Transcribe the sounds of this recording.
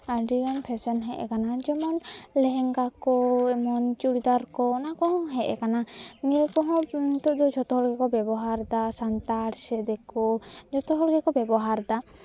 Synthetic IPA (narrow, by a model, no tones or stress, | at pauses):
aɖiɔnpʰɛsɛnɦɛʔɛ̰kanad͡ʒɔmɔnlɛɦɛŋɡakɔɛmɔnt͡ʃuɽid̪aɾkɔnakɔɦɔ̃ɦɛʔɛ̰kananijekɔɦɔ̃t̪ɔd̪ɔd͡ʒʱɔt̪ɔɦɔɽɡɛkɔbɛbɔɦaɾd̪asant̪aɾsɛd̪ɛkɔd͡ʒɔt̪ɔɦɔɾɡɛkɔbɛbɔɦaɾd̪a